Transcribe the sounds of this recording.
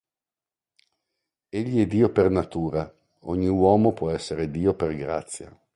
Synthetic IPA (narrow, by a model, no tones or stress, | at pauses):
eʎːiɛd̪ːiːopernat̪uːɾa | ɔɲːiwɔːmopwɔɛsːeɾed̪iːoperɡɾa̰t̪sːja̰